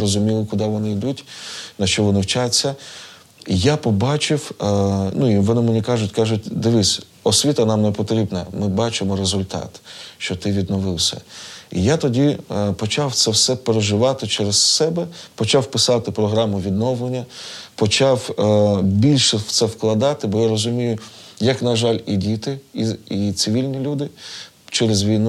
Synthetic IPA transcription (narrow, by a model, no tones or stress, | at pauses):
rɔzʊmʲilˠɪkʊd̪ɑʋɔnɪid̪utʲnɐʃt͡ʃɔʋɔnɪwt͡ʃat͡sʲːɐ | japɔbɑt͡ʃɪwnuiʋɔnɪmenʲikɑʒʊtʲkɑʒʊt̚ʲd̪ɪʋɪsʲ | ɔsʲʋʲit̪ɐnɑmnɛpɔt̪ɾʲibnɐmɪbɑt͡ʃɪmɔɾezʊlʲt̪ɑ̰t̪ʃt͡ʃɔt̪ɪʋʲid̪nɔʋɪwsʲɐ̰ijat̪ɔdʲipɔt͡ʃɑwt̪sɛwsɛpeɾeʒɪʋɑt̪ɪt͡ʃɛɾezsɛbɛpɔt͡ʃɑwpɪsɑt̪ɪpɾɔɦɾɑmʊʋʲid̪nɔwlˠenʲːɐpɔt͡ʃɑw | bʲilʲʃɛwt̪sɛwklˠɐd̪ɑt̪ɪbɔjaɾɔzʊmʲijʊjɐknɐʒɑlʲidʲit̪ɪiit̪sɪʋʲilʲnʲilʲud̪ɪ | t͡ʃɛɾezʋʲijn